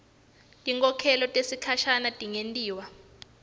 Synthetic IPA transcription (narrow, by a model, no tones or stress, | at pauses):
tʼiŋkʼɔkʰɛlɔtʼesikʰaʃanatʼiŋentʼiːwa